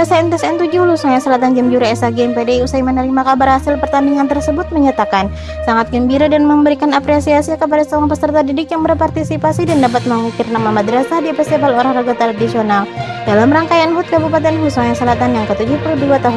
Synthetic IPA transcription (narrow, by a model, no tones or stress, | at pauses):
asaɛnt̪ɛsɛnt̪ud͡ʒʊhlusoŋjasəlat̪and͡ʒamd͡ʒuɾaɛsaɡeɛmpedeusaimənəɾimakabarhasɪlpərt̪andiŋant̪ərsəbʊt̪̚məɲat̪akan | saŋat̪̚ɡəmbiɾadanməmbəɾikanapɾesiasiakəp̬adasəoaŋpəsərt̪adidɪkjaŋbərpart̪isipasidandapat̪̚məmikɪrnamamadəɾasadipɛst̪epaloɾahraɡat̪ɾadisionaldalamraŋkajanɦʊt̪̚kabupat̪̬ɛnɦusoŋjasəlat̪anjaŋkət̪ud͡ʒuhpuluhduat̪aɦʊn